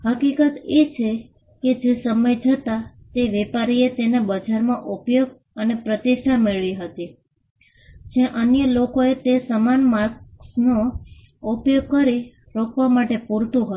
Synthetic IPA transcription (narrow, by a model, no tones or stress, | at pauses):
ɦəkikət̪et͡ʃʰe | ked͡ʒesəməjd͡ʒət̪a | t̪eʋɛpaɾiet̪enebəd͡ʒaɾmãʔupjoɡ̚ | ənepɾət̪iʃʈʰameɭʋiɦət̪i | d͡ʒãʔənjəlokoet̪esəmanmaɾksno | upjoɡ̚kəɾi | ɾokʰʋamaʈepuɾt̪ũɦə